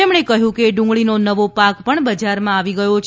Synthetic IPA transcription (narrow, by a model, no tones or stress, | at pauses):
emɳekəɦjũkeɖʊ̃ŋɡɭinonəʋopakpəɳbəd͡ʒaɾmãaʋiɡəjot͡ʃʰ